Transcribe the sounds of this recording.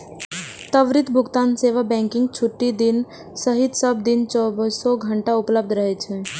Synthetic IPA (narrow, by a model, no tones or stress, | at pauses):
t̪əʋɾɪt̪bʱʊɡt̪aːnseːʋabɛ̃ːŋkɪ̃ŋɡ̚t͡ʃʰʊʈːid̪ɪn | səɦɪt̪səb̚d̪ɪnt͡ʃɔbsɔɡʱə̃ɳʈaʊpləb̚d̪ʱɾəɦet͡ʃʰeː